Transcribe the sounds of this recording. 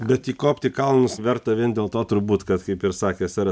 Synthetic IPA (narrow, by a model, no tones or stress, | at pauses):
bʲɛt̪iːkoːpʲt̪ʲɪkɐlˠnʊsʋʲɛɾt̪ɐʋʲiɛnd̪ʲeːlˠt̪oːt̪ʊɾbuːt̪kɐt̪kɐɪpɪɾsɑːkʲeːsɑɾ